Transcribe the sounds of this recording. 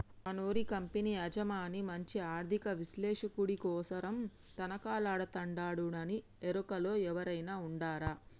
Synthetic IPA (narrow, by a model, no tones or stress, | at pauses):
ɐnoːɾikɐmpeniɐd͡ʒɐmaːnimɐɲt͡ʃiaːɾd̪ʱikɐʋislɛːʂɐkuɽikɔːsɐɾɐm | t̪ɐnɐkaːlaːɽɐt̪ɐɳɖaːɽuɽɐni | eɾukɐlo̞ːɛʋɐɾɐjnaːuɳɖaːɾaː